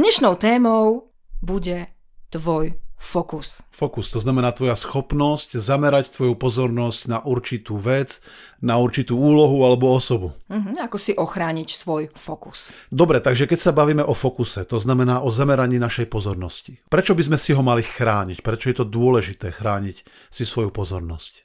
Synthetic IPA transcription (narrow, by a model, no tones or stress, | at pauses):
d̪ɲɛʃnɔʊt̪ɛːmɔʊ | buɟɛ | t̪ʋɔjfɔkusfɔkust̪ɔznamɛnaːt̪ʋɔjasxɔpnɔsczamɛɾact̪ʋɔjupɔzɔɾnɔscnaʔuɾt͡ʃit̪uːʋɛd͡znauɾt͡ʃit̪uːuːlɔɦualɛbɔɔsɔbum̩ɦ̩akɔsiʔɔxɾaːɲicsʋɔjfɔku̥sd̪ɔbɾɛt̪aɡʒɛkɛcsabaʋiːmɛʔɔfɔkusɛt̪ɔznamɛnaːʔɔzamɛɾaɲiːnaʃɛjpɔzɔɾnɔsci̥pɾɛt͡ʃɔbizmɛsiɦɔmalixɾaːɲicpɾɛt͡ʃɔjɛt̪ɔd̪ʊɔlɛʒit̪ɛːxɾaːɲic | sisʋɔjupɔzɔɾnɔ̰sc